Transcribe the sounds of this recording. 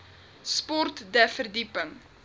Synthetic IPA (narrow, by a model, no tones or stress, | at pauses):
spɔrtdɛfərdipəŋ